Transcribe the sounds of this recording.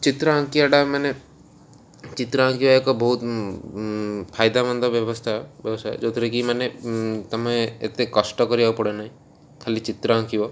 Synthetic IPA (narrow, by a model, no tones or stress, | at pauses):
t͡ʃit̪ɾɔãŋkijaɖamane | t͡ʃit̪ɾaãŋkiwaekɔbɔɦut̪ | pʰajd̪amɔnd̪ʱɔbjɔbɔst̪ʰabjɔbsaj̰d͡ʒot̪ʰɾekimanet̪ɔmẽḛt̪ekɔsʈɔkɔɾibapɔɽenaɦĩ | kʰalit͡ʃit̪ɾaãŋkiwɔ